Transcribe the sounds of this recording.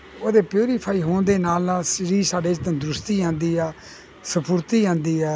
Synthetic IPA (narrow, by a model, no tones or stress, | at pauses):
oːd̪eːpjuːɾiːpʰaːiːɦoːnd̪eːnaːlnaːsɾiːsaːɖeːd͡ʒd̪ə̃ːd̪ɾʊst̪iːãːnd̪iːɛː | səpʰʊɾt̪iːãːnd̪iːɛː